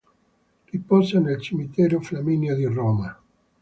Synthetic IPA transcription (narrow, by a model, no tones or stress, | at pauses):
ripɔzanelt͡ʃimit̪ɛːɾoflaminjod̪irɔːma